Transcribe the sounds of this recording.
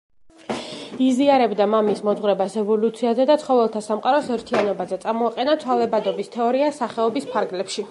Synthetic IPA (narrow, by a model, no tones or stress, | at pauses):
iziaɾɛbd̪amamismɔd̪zʁwɾɛbasɛvɔlut̪sʰiazɛd̪at̪sχɔvɛlˠt̪ʰasamqʼaɾɔsɛɾt̪ʰianɔbazɛt̪sʼamɔaqʼɛnat̪sʰwalˠɛbad̪ɔbist̪ʰɛɔɾiasaχɛɔbispʰaɾɡlɛpʃi